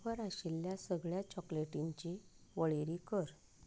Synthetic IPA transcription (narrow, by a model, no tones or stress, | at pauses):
ʋəɾaɕilːjasəɡɭjat͡ɕɔkleʈiɲt͡ɕiʋəɭeɾikəɾ